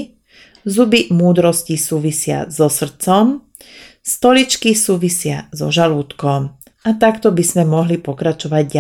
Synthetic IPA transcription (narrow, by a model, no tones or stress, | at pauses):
zubimuːd̪ɾɔscisuːʋisɪa̰zɔsr̩t͡sɔm | st̪ɔlit͡ʃkisuːʋisɪazɔ̰ʒaluːt̪kɔm | at̪akt̪ɔbizmɛmɔɦlipɔkɾat͡ʃɔʋaɟɟa